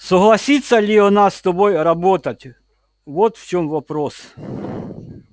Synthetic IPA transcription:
sɔɦlˠɐsʲit̪ʲsʲːɐlʲiɔnɑst̪ɔbɔjrɐbɔt̪ɐtʲ | ʋɔt̪w̥t͡ʃɔmʋɐpɾɔs

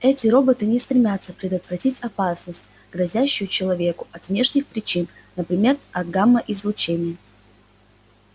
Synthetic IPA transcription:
ɛtʲɪɾo̞bət̪ɨnʲɪst̪ɾʲɪmʲat̪səpɾʲɪd̪ət̪vɾɐtʲitʲɐpasnəsʲtʲ | ɡɾɐzʲæɕːɪjʊt͡ɕɪlˠɐvʲe̞kʊɐt̪vnʲe̞ʂnʲɪxpɾʲɪt͡ɕin | nəpɾʲɪmʲe̞rɐd̪̚ɡamːəʔɪzlˠʊt͡ɕenʲɪjə

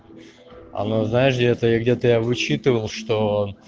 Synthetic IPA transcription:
ɐ̰noznajɪʂɡdʲet̪əjaɡdʲe̞t̪əjavɨt͡ɕit̪ɨvəlˠʂt̪o

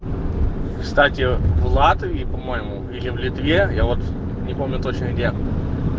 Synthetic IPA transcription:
kst̪atʲɪvlˠat̪vʲipɐmo̞jɪmʊ | ɪlʲɪvlʲɪt̪vʲejavo̞t̪ | nʲɪpo̞mnʲʊt̪o̞t͡ɕnəɪɡdʲe

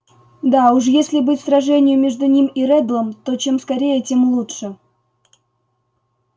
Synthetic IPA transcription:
d̪auʂ̬jesʲlʲɪbɨtʲsrɐʐɛnʲɪjʊmʲe̞ʐd̪ʊnʲimiɾɛb̪lˠəmt̪o̞t͡ɕe̞mskɐɾʲejətʲemlˠuʂɨ

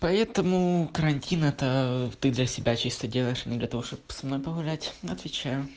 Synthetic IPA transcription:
pɐɛt̪əmʊkəɾɐnʲtʲinɛt̪ət̪ɨd̪lʲɐsʲɪbʲat͡ɕist̪ədʲelˠəjɪʂɐnʲɪd̪lʲɐt̪ɐvo̞ʂt̪opsɐmno̞jpəɣʊlʲætʲɐt̪vʲɪt͡ɕajʊ

